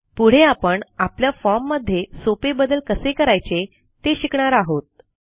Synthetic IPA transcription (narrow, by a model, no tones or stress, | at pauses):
puɽ̤eapəɳapljafɔmːəd̪ʱːjesopebəd̪əlkəsekəɾajt͡se | t̪eɕikɳaɾaɦot̪̚